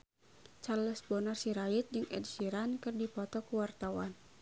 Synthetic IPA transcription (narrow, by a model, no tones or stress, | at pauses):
t͡ʃarləsbɔnarsiɾait̪̚d͡ʒɨŋɛ̰dsiɾankɨrdipɔt̪ɔkuwart̪awan